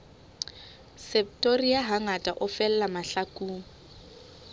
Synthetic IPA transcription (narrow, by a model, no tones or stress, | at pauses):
sɛp̚tʼoriaɦaŋatʼaʔʊfɛllamaɬakʼuːŋ̩